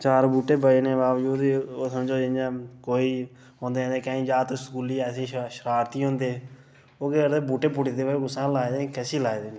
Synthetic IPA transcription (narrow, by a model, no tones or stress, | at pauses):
t͡ʃaːɾbuːʈeːbəeːnẽːbaːʋd͡ʒuːd̪oːsəmd͡ʒoːeaːkoːiː | ɦõːnd̪ẽːnd̪eːkə̃ːĩːd͡ʒaːt̪sə̥kuːliːɛːsĩːʃəɾaːɾt̪iːɦõːnd̪eː | oːɡeːɾd̪eːbuːʈeːpʊɽid̪eːbɡʊsãːlaːed̪eːkɛːsiːlaːeːd̪eːne